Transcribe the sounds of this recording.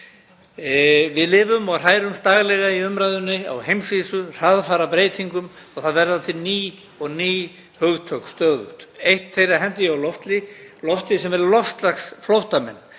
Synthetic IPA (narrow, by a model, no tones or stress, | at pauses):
vɪðlɪːvʏmɔɣr̥aːjɾʏmst̪aːɣlɛɣaiʏmɾajðʏnːɪa̰wɦejmsviːsʏr̥aðfaːɾapɾeːjt̪ʰiŋkʏm | ɔɣθaðvɛɾðat̪ʰɪlniː | ɔɣniː | hœɣt̪ʰœkst̪œːðʏ̰ht̪ejht̪θejraɦɛnt̪ɪawlɔft̪lɪlɔft̪lɪsɛmɛɾlɔft̪laxsflowht̪amɛ̰nː